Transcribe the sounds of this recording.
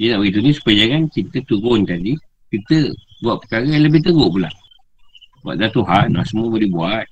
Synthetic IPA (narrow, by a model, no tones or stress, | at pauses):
jənaʔbəɡit̪unĩsu̥pajaŋankit̪ət̪uɾʊnt̪adi | kit̪ə | buaʔ̚pə̥kaɣəjãləbɪht̪əɣʊʔpula̰ | bua̰ʔd̪at̪uɦanla̰ʔsəmuəbolibuat̪̚